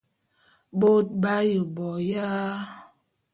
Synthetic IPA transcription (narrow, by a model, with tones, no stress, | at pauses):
ɓo˦t̚ba˦jə˨bɔ˨ja˦